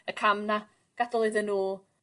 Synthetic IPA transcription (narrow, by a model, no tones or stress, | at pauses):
əkʰamna | ɡ̥adɔlˠɨðənuːl